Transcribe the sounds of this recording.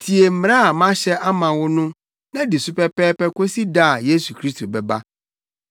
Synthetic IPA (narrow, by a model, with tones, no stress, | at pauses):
tʰi˨e˨m̩˦mɾ̃a˦a˨mã˦ɕɛ˦ʔa˦mã˨wʊ˦nʊ̃˦ | nã˦dɪ˨su˦pɛ˦pɛː˦pɛ˦ko˦si˦da˦a˨je˦su˨kʰɾi˦stʰo˨bɛ˨ba˦